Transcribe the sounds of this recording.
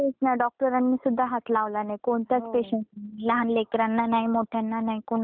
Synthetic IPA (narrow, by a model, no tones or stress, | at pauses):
et͡snajɖɔk̚ʈəɾanːiːsud̪ʱːaɦat̪laʋlanajkoɳt̪jat͡speɕəɳsilaɦanlekɾanːanajmoʈʰjanːanajkoɳ